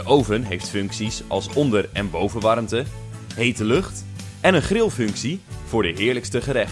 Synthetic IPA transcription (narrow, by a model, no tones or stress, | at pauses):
əʔowvənɦejftfɵŋksisɑ̰lˠsɔndərɛnbowvənʋɑrmtə | ɦejtəlɵχt | ɛnənχrɪlˠfɵŋksiv̥ʊːɹdəɦɪːɹləkstəχəɾɛ